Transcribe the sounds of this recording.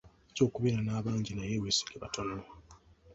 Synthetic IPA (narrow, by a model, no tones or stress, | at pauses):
co̞ːkuβeɾanaːβaːɲɟinajewesi̥leβa̰tʰonowa